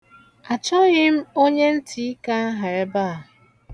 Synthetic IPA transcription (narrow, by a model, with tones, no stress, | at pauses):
a˨t͡ʃɔ˦ɣɪ˦m̩˦o˦ɲe˦n̩˦tʰi˦i˦ka˦a˦ɦa˨ɾe˦ba˦˨